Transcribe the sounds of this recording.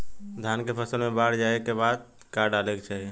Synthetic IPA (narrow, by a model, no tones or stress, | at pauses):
d̪ʱankepʰəsəlmebaɾd͡ʒaekebad̪̚ | kaɖalɛkt͡ʃʰɛ